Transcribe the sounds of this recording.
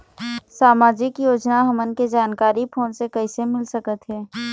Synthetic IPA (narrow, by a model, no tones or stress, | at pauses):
saːmaːd͡ʒɪkjoːd͡ʒnaɦɐmənked͡ʒaːnkaːɾipʰoːnsekɐisemɪlsəkət̪ɦɛː